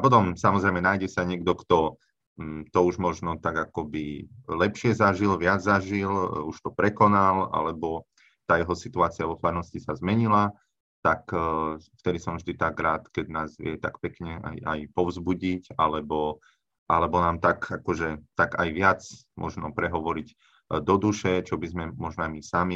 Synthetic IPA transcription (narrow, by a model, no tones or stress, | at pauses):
apɔt̪̬ɔmsamɔzɾɛɪmɛnajɟɛsaɲɪɛɡ̚d̪ɔkt̪ɔ | t̪ɔuʒmɔʒnɔt̪aɡakɔbilɛpʃɪɛzaʒilʋɪad͡zzaʒiluʃt̪ɔpɾɛkɔnala̰lɛbɔ | t̪aːjɛɦɔsit̪uaːt͡siaʋɔfaɾnɔscisazmɛɲila | t̪akft̪ɛd̪isɔ̃mvʒd̪it̪aɡɾaːt̪kɛɟnaːzʋɪɛt̪akpɛkɲɛa̰ja̰jpɔʋzbuɟicalɛbɔ | ʔalɛbɔnaːmt̪akakɔʒɛt̪aɡa̰jʋɪat͡s | mʔɔ̰ʒnɔpɾɛɦɔʋɔɾiɟ | d̪ɔd̪uʃɛt͡ʃɔbizmɛmɔʒnɔajmisami